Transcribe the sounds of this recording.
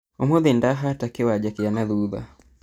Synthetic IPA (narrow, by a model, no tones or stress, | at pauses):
omoðendaɦatakewad͡ʒakijanaðuða̰